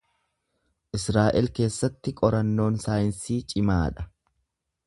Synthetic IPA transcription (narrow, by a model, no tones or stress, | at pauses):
ʔɪsɾaːʔɛlke̞ːsːɐt̪ːɪkʼɔɾɐnːo̞ːnsaːjɪnsiːt͡ʃʼɪmaːᶑɐ